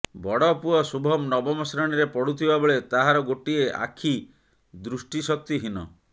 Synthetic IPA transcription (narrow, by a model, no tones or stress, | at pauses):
bɔɽɔpuɔsubʱɔmnɔbɔmɔsɾɔɽ̃iɾepɔɽut̪ʰibabɔɭet̪aɦaɾɔɡoʈieʔa̰kʰi | d̪ɾusʈisɔk̚t̪iɦinɔ̰